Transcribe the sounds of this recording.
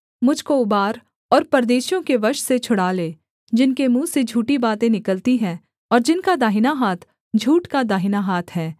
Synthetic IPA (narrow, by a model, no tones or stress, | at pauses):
mʊd͡ʒʱkoʊbaːɾ | ɔːɾpɐɾd̪eːʃjõkeʋɐɾʃset͡ʃʰʊɽaːleː | d͡ʒɪnkemũːsed͡ʒʱuːʈibaːt̪ẽnɪkəlt̪iɦɛ̃ː | ɔːɾd͡ʒɪnkad̪aːɦɪnaɦaːt̪ʰ | d͡ʒʱuːʈkad̪aːɦɪnaɦaːt̪ʰɦɛː